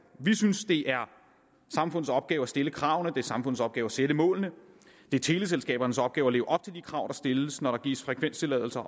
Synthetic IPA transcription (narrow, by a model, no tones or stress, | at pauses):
ʋisynsd̥e̝ʔæɐ | sɑ̈mfɔ̽nð̩ˠsɒ̽b̥̚ɡ̥ɛːʊæsd̥e̝ləkʰʁɑ̈ʊnəd̥e̝æsɑ̈mfɔ̽n̰ð̩ˠsɒ̽b̥̚ɡ̥ɛːʊæsed̥əmɔ̰̽ːlnə | d̥e̝æt͡sʰe̝ːləs̬elsɡ̥ɛ̰ːb̥ɐnəsɒ̽b̥̚ɡ̥ɛːʊæle̝ːʊʔɒ̽b̥̚t͡sʰe̝ld̥ikʰʁɑ̈ʊd̥ɑ̈sd̥e̝lsnɒɾɑ̈ɡ̥ḭːsfʁɛkʰʋen̰st͡sʰe̝lɛ̰ðˠl̩sɐ